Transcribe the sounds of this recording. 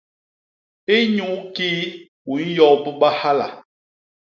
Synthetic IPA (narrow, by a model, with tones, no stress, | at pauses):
e˦ɲu˨˦kiː˦ | wu˨˦n̩˦jɔ˨pɔ˦ɓa˦ha˦la̰˨